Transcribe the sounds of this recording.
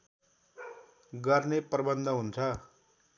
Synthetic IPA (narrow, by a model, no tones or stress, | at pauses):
ɡʌrneprʌbʌnd̪ʱʌɦunt͡sʰʌ